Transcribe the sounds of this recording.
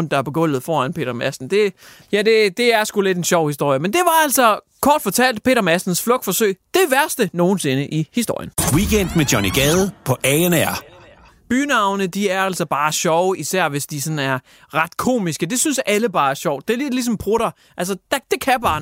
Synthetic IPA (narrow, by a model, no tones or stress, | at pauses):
nd̥ɑ̈æɐbeɡ̥ɔ̽n̰ð̞̩ˠfɒːænpʰe̝̰ːɾ̥ɐmæsn̩d̥e̝ | jæd̥e̝d̥e̝æɐsɡ̥ule̝d̥e̝nɕɒʊ̰hisd̥o̝ɐ̰jəmend̥e̝ʋɑ̈æl̰sɒ | kʰɒ̰ːd̥fɒ̽t͡sʰæl̰d̥̚pʰe̝̰ːɾɐmæsd̥n̩sflɔ̽ɡ̥fɒ̽sø̰ɪ̰d̥e̝ʋæɐsd̥əno̝ːn̩se̝nəʔihisd̥o̝̰jənwiken̰d̥med̥jɒniɡ̥ɛð̩ˠpʰɒ̽ʔɛenæɐ̰ | b̥yːnɑ̈ʊnəd̥iæɐæl̰sɒ̽b̥ɑ̈ːɕɒʊisæɐ̰ʋe̝sd̥isɒ̽næɐ | ʁɑ̈d̥kʰo̝̰ːmisɡ̥əd̥e̝synsæləb̥ɑ̈ːæɐɕɒʊ̰d̥e̝ɐled̥lis̬ɒ̽mpʰʁoɾ̥ɑ | ʔælsɐd̥d̥e̝kʰæb̥ɑ̈ː